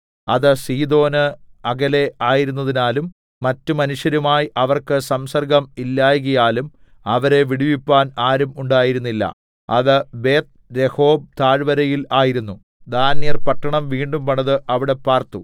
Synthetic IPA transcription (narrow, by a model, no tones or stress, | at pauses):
ɐðɨsiːd̪o̞ːnɨɐɡɐle̞aːjiɾunːɐðinaːlumː | ɐtːɨmɐnuʂjɐɾumaːjiʔɐʋɐrkɨsɐmsɐrɡɐmilːaːjɣɐjaːlum | ɐʋɐɾe̞ʋiɽiʋipːaːnaːɾumuɳɖaːjiɾunːilːɐ̰ | ɐ̰ðɨbe̞ːt̪̚ | ɾe̞ho̞ːb̚t̪aːɻʋɐɾɐjilaːjiɾunːu | d̪aːnjɐrpɐʈːɐɳɐmʋiːɳɖumpɐɳɐðɨʔɐʋiɽe̞pːaːrt̪u